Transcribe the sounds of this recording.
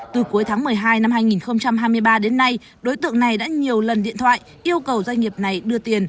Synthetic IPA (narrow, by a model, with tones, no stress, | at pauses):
t̪ɨ˨˩ku˨˦əjt̪ʰaː˨˦ŋmɨ˨˩əjɦaː˧jna˧mhaː˧jŋi˨˩nxə˧wŋ͡mt͡ɕa˧mɦaː˧jmɨ˧əjɓaː˧ɗe˨˦nːa˧j | ɗo˨˦jt̪ɨ̰˧˨əŋna˨˩jɗa̰ː˧˥ɲi˨˩əwlə˨˩nɗḭ˧˨ənt̪ʰwa̰ː˧˨j | ʔi˧əwkə˨˩wzwa˧ŋ̟ŋi˨˩əp̚na˨˩jɗɨ˧ət̪i˨˩ən